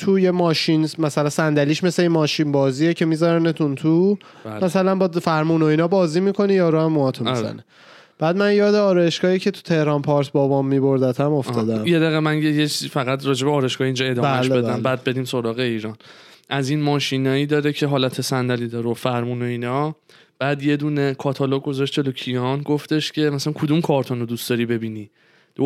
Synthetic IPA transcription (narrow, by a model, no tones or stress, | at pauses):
t̪ʰujemɒːʃinmæsælænsænd̪æliːʃmesle̞inmɒːʃinbɒːziːecʰe̞mizaɾænet̪ʰunt̪ʰu | mæsælænbɒd̪fæɾmuːno̞iːnɒbɒːzimikʰo̞nijɒːɾoæmːuɒt̪ʰomizæ̰ne | b̥æːd̪mænjɒːd̪eɒːɾɒːje̞ʃɡɒːiːcʰe̞t̪ʰu̥t̪ʰe̞hɾɒnpʰɒɾsbɒːbɒmːiboɾd̪æt̪ʰæmo̞fʰɒːd̪æmjed̪æɣemænjejet͡ʃʰizifæɣæt̪ɾɒːd͡ʒe̞beɒːɾɒjʃɡɒːhiːnd͡ʒɒe̞d̪ɒːbːæmeʃlbeb̪æmbæːd̪̚be̞d̪iːmso̞ɾɒːɣeiːɾɒːn | ʔæzinmɒːʃinɒːjiːd̪ɒːɾecʰe̞ɦɒːlæt̪ʰesænd̪æliːd̪ɒːɾofæɾmunoiːnɒ | b̥æːd̪je̞d̪uːnekʰɒːt̪ʰɒloɡ̚ɡo̞zɒʃt̪t͡ʃelocʰijɒnɡoft̪e̞ʃcʰe̞mæsælænkʰod̪umkʰɒːɾt̪ʰonod̪usd̪ɒːɾiːbe̞biːni | d̪̥o